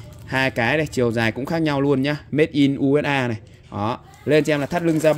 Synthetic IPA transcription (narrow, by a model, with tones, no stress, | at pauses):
haː˧jkaː˨˦jna˨˩jt͡ɕi˨˩əwzaː˨˩jkʊ̰˧˥ŋ͡mxaː˦˥k̚ɲa˧wlu˧ənɲaː˧me˦˥t̚ʔi˧nʔu˧ɛ˦˥t̚ʔaː˧na˨˩j | ʔɔ˨˦ | le˧nt͡ɕɛ˧mlaː˨˩t̪ʰt̚lɨ˧ŋzaː˧ɓ